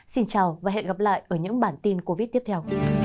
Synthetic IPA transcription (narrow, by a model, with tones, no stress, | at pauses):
si˧nt͡ɕaː˨˩wvaː˨˩ɦḛ˧˨ɣa˨˩p̚la̰ː˧˨jʔəː˧˩ɲɨ̰˧˥ŋɓaː˧˩nt̪i˧nko˧vi˦˥t̚t̪i˦˥əpt̪ʰɛ˧w